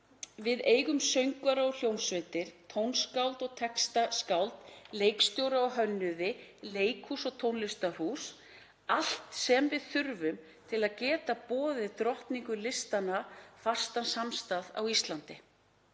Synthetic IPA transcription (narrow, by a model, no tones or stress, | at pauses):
vɪðeːjɣʏmsœɥŋkvaɾaɔl̥jownsvet̪ɪɾ̥t̪ʰownskawlt̪ɔɣt̪ʰɛkst̪askawlt̪lejkst̪jowɾaɔɦœnːʏðɪleːjkhusɔɣt̪ʰownlɪst̪ar̥us | al̥t̪sɛmvɪðθʏɾvʏm | t̪ʰɪlaðcɛːt̪apɔːðɪt̪ɾɔht̪niŋkʏlɪst̪anafḁst̪ansamst̪aða̰wist̪lant̪ɪ